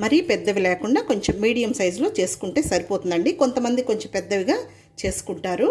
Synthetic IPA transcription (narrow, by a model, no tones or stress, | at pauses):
mɐɾipɛd̪ːɐʋilɛːkuɳɖaːko̞ɲt͡ʃemːiːɽijɐmsɐjd͡ʒlo̞ːt͡ʃe̞ːsu̥kuɳʈe̞ːsɐɾipoːt̪und̪ɐɳɖiko̞nt̪ɐmɐnd̪iko̞ɲt͡ʃempɛd̪ːɐʋiɡaː | t͡ʃe̞ːsu̥kuɳʈaːɾu